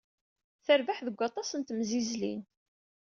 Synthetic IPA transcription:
θəɾvaħðəɡʷːɑt̪ˤɑsənt̪mzizlḭn

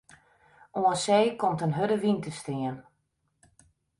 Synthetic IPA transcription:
oənsejkɔmtənɦødəʋintəstɪən

